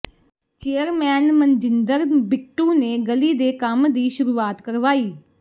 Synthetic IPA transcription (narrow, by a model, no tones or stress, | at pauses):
t͡ʃeːjəɾmɛ̃ːnmɐ̃nd͡ʒɪnd̪əɾbɪk̚ʈũːneɡɐlid̪eːkamd̪iːʃʊɾuːaːt̪kɐɾʋaːiː